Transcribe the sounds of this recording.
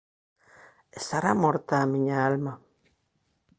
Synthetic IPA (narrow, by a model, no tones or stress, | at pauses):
est̪aɾamoɾt̪aːmĩɲaalma